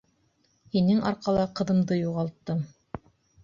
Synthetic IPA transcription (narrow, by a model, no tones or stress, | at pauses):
hinɘŋɑ̰ɾqɑlˠɑqɤ̆ðɤ̆md̪ɤjuʁɑlˠt̪ːɤm